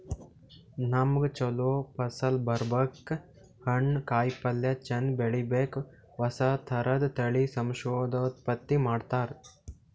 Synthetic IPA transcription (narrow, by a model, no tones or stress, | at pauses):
nɐmɡt͡ʃɐloːpɐsɐlbɐɾbɐkː | hɐɳkaːjpɐljɐt͡ʃɐnbeɭibeːk | ʋɐsɐt̪ʰɐɾɐd̪t̪ɐɭisɐmʃoːd̪ɐt̪pɐt̪ːimaːɖt̪aːɾ